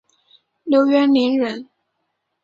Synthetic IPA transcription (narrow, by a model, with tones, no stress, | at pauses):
ljo˧˥ʊɥɛ˥nli˧˥nɻə˧˥n